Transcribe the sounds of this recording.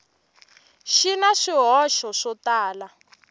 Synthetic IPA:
ʃinaʂiɦɔʃɔʂɔtaːla

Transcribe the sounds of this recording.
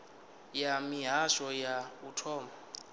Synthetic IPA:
jamiɦaʃɔjautʰɔːma

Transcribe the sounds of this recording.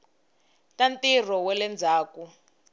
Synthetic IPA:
tantir̤ɔwɛlɛnd͡zʱaːku

